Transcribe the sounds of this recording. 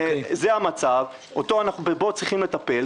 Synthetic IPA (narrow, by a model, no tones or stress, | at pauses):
zeamat͡sav | ot̪o̞anaχnubebo̞t͡sʁiχimle̞t̪ape̞l